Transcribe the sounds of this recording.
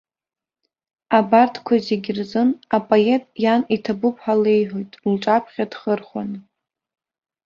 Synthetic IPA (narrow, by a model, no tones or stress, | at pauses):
abartʰkʷʰazeɡʲɪrzɨnapʼoetʼjanitʰabʊpʰħale̞jħʷᶣojtʼlʈ͡ʂʼapʰχʲad̥χərχa̰nɨ